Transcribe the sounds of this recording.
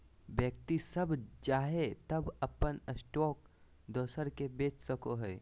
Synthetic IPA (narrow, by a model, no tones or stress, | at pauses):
ʋjək̚t̪isɐbt͡ʃaːɦet̪ɐbɐpənəsʈoːk̚ | d̪oːsəɾkebeːt͡ʃsəkoɦɛː